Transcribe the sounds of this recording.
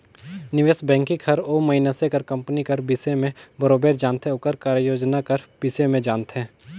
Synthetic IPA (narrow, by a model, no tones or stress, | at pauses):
nɪʋeːsbɛ̃ːŋkikʰɐɾoːmɐɪnasekɐɾkɐ̃mpnikəɾbiːsemẽbəɾoːbeːɾd͡ʒaːnt̪ɦɛ̃ʊkəɾkaːɾjəjoːd͡ʒnakəɾb̥isemẽd͡ʒaːnt̪ɦɛ̃ː